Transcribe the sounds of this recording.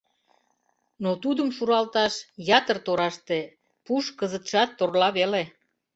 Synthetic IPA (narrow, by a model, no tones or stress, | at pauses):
not̪ud̪əmʃuɾɑlt̪ɑʃjɑt̪ərt̪oɾɑʃt̪e | puʃkəzət̪ʃɑt̪ːorlɑβele